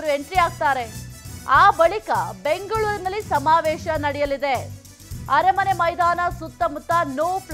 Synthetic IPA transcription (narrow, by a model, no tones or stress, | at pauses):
ɾueɳʈɾijaːɡ̚t̪aːɾe̞aːbɐɭikɐbeŋɡɐɭuːɾinɐlːisɐmaːʋɛːʃɐnɐɽɛjɐlid̪e̞ | ɐɾemɐnemɐjd̪aːnɐsut̪ːɐmut̪ːɐnoːpl